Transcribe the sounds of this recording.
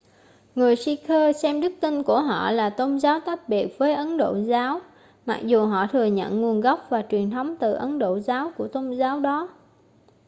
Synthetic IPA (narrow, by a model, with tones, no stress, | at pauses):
ŋɨ˨˩əjsi˧kʰəː˧sɛ˧mɗɨ˦˥k̚t̪i˧nku˧˩əɦɔ̰˧˨laː˨˩t̪ə˧wŋ͡mzaː˨˦wt̪aː˦˥t̚ɓi˨˩ək̚vəː˨˦jʔə˨˦nɗo̰˧˨zaː˨˦w | ma̰˨˩k̚zu˨˩ɦɔ̰˧˨t̪ʰɨ˨˩əɲə̰˧˨nŋu˧˩ənɣa˦˥wp̚vaː˨˩t͡ɕwi˨˩ənt̪ʰə˨˦wŋ͡mt̪ɨ̰˨˩ʔə˨˦nɗo̰˧˨zaː˨˦wku˧˩ət̪ə˧wŋ͡mzaː˨˦wɗɔ˨˦